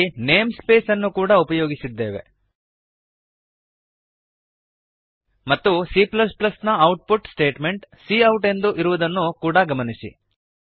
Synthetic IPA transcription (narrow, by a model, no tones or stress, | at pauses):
ne̞ːmspe̞ːsɐnːukuːɽɐupɐjoːɡisid̪ːe̞ːʋe̞̰ | mɐt̪ːusiːplɐsplɐsnɐɐwʈ̚puʈsʈe̞ːʈme̞ɳʈsiːɐwʈe̞nd̪uʔiɾuʋɐd̪ɐnːukuːɽɐɡɐmɐnisḭ